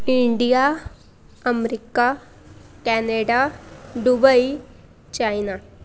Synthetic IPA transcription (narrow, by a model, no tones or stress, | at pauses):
iɳɖija | ɐmɾika | kɛːneɖaɖubɐi | t͡ʃajna